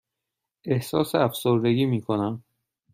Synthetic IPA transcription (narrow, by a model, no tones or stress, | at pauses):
ʔe̞hsɒːseæfsoɾd̪e̞ɡiːmiːkʰo̞næm